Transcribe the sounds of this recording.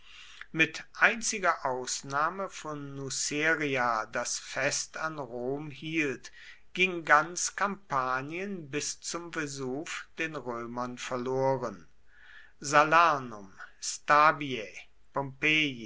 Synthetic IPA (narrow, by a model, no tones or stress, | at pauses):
mɪtʔaɪnt͡sɪɡɐʔaʊsnaːməfɔnːuseːʁiadasfɛstanʁoːmhiːlt | ɡ̥ɪŋɡant͡skampaːniənbɪst͡sʊmfɛzuːfd̥eːnʁøːmɐnfɛɐloːʁən | zalaːnʊmstaːbie | pɔmpeːi